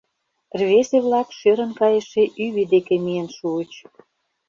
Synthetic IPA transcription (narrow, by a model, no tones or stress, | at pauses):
rβeseβlɑkʃøɾə̆nkɑjĕʃeʔyβed̪ekemijənʃuət͡ɕ